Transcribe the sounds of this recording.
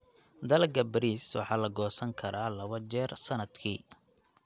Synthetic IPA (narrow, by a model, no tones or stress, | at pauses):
d̪ɐlkʰɐbɐɾiːswɑ̰ħɑːlɐɡɔːsɐŋkʰɐɾʔaːlɐβɐt͡ʃɛːrsɐnɐd̪kʰiː